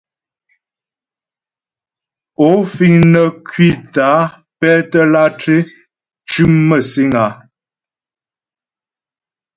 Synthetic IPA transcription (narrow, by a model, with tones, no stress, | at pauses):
o˨˦fi˦˨ŋnə˨kwi˦˨taː˨˦ | pɛ˦tə˦la˦tʰɾe˦ | t͡ʃʉ˦mmə˦˨si˦ŋa˨˦